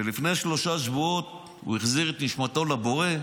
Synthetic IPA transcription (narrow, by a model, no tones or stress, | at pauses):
elifneʃlo̞ʃaʃvuot̪̚ | ṵeχziʁet̪niʃmato̞labo̞ʁe̞